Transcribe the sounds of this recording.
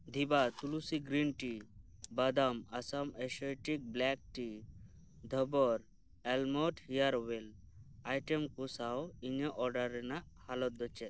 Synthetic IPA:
d̪ʱibat̪ulusiɡɾinʈibad̪amasamesɔjʈik̚blɛk̚ʈi | d̪ʱəbɔɾ | ɛlmɔʈhijaɾwel | ajʈemkusawiŋəʔɔɾɖaɾɛnaʔhalɔt̪̚d̪ɔt͡ʃɛt̪̚

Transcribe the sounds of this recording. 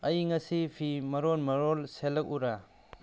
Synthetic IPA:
ɐjŋɐsipʰimɐɾonmɐɾolselɐk̚uɾa

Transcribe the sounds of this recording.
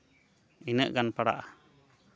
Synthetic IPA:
inəʔɡanpaɽa̰ʔa

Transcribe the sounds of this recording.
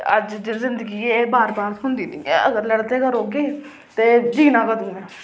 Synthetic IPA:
ə̰d͡ʒd͡ʒzɪnd̪əɡiːeːbaːɾbaːɾt̪ɦʊnd̪iːniːəɡəɾləɽt̪eːkəɾoːɡeː | t̪eːd͡ʒiːnãːkəd̪ũːmɛ̃ː

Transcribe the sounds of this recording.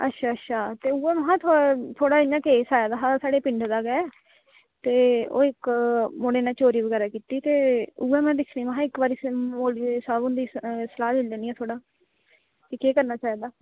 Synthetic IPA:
ə̰tːʃʰaːətːʃʰaːt̪eːʊːɛːməɦãːt̪ʰːt̪ʰoːɽaːɪnãːkeːsaːjaːd̪aːɦaːsaːɽeːpɪ̃ɳɖd̪aːɡɛː | t̪eːo̰ːɪkmoɽeːnãːt͡ʃoːɾiːbəɡɛːɾaːkiːt̪iːt̪eːʊɛːmɛ̃ːd̪ɪkʰːniːʋãɦãːɪkbaːɾiːmoːlisaːbʊ̃nd̪iːsəlaːlɪld̪eːniːɛːt̪ʰoːɽaː | t̪eːkeːkəɾnaːt͡ʃaːiːd̪aː

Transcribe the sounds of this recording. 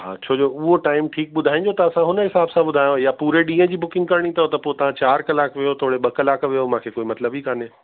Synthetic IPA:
ɦa̰ːt͡ɕʰoːd͡ʑoʊɦoʈaːɪmʈʰiːk̚ɓʊd̪ʱaːĩːɲ̆d͡ʑot̪ɐɐsãɦʊnəɦɪsaːbsãɓʊd̪ʱaːjõjapuːɾeɗĩːə̃d͡ʑiːbʊkɪ̃ŋɡkɐɾɽ̃ĩt̪ʰɐot̪ɐpoːt̪ɐʋ̤ãt͡ɕaːɾkɐlaːkʋijot̪ʰoːɽeɓɐkɐlaːkʋijomãːkʰekoːimɐt̪ləbikaːne

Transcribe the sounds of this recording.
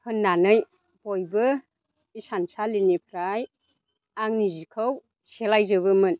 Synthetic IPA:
hɯnːanɯj | bojbɯ | isansalinipʰɾaj | aŋnizikʰɯw | selajzɯβɯmɯn

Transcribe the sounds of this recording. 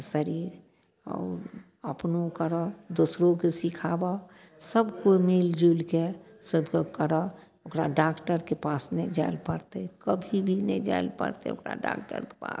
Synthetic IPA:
səɾiːɾ | ɔ̰ːɾ | əpnokəɾɔd̪osɾokesikʰaːba | səbkomild͡ʒulke | səbkokəɾɔ | okɾaɖaːkʈəɾkepaːsnɛd͡ʒaɪlpəɾt̪ekəbʱibʱined͡ʒa̰ɪlpə̰ɾt̪ḛo̰kɾa̰ɖa̰ːkʈə̰ɾke̥pa̰ːs

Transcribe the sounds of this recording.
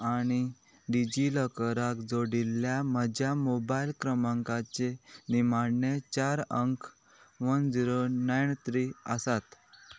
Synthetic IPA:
aɽ̃i | ɖid͡ʑiləkəɾakd͡zoɽilːjaməd͡ʑjamobailkɾəmãŋkat͡ɕenimaɽɳjet͡ɕaɾəŋkʰ | ʋənd͡ziɾonajɳt̪ɾiəsat̪

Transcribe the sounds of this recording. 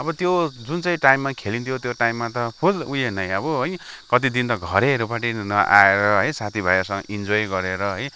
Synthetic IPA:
ʌbʌt̪jod͡zunt͡sʌj̃ʈajmːakʰelint̪ʰjot̪joʈajimːat̪ʌpʰulujenʌjʌbʌɦʌjkʌt̪id̪int̪ʌɡʱʌɾeɾupaʈinʌʔa̰eɾʌɦʌjsat̪ʰibʱʌjasʌŋ̰ʔind͡zojɡʌɾeɾʌɦʌj

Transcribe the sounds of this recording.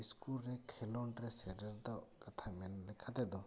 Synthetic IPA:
iskulɾɛkʰɛlɔɳʈɾɛsɛɖəɾd̪ɔkat̪ʰamɛnlɛkʰad̪ɛd̪ɔ

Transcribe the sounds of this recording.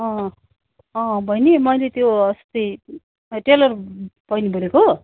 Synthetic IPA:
ʌ̃ | ʌ̃bʱʌjnimʌjlet̪joʌst̪ʌj | ʈelʌrb̥ʌjnibʱʌɾeko

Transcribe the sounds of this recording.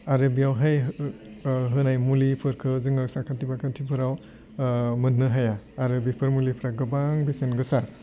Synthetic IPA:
aɾɯbiawɦaj | ɦɯnajmulipʰɯɾkʰɯzɯŋɯɾsakʰatibakʰatʰipʰɯɾaw | mɯnːɯɦajaːɾɯbipʰɯɾmulipʰɾaɡɯbaŋbesenɡɯsa

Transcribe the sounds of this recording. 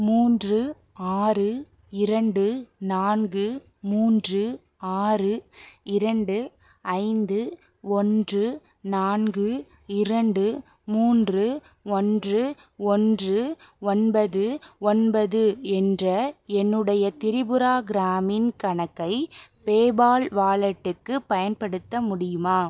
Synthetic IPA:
muːndrɯ | aːrɯ | ɪɾɐɳɖɯnaːnɡɯ | muːndrɯ | aːrɯɪɾɐɳɖɯ | ɐɪnd̪ɯ | ɔndrɯ | naːnɡɯ | ɪɾɐɳɖɯ | muːndrɯ | ɔndrɯ | ɔndrɯɔnbɐðɯɔnbɐðɯɛndrɐɛnːɯɽɐjɐt̪ɪɾɪbɯɾaːɡɪɾaːmɪnkɐɳɐkːɐɪpeːbaːlʋaːɭɐʈːɯkːɯpɐjɐnpɐɽɯt̪ːɐmʊɽɪjɯmaː

